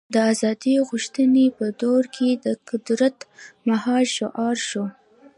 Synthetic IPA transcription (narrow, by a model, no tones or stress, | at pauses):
d̪əazɑd̪iɣuʃt̪ənepəd̪oɾkʰed̪əqʊd̪ɾat̪maɦɑlʃʊʔɑɾʃo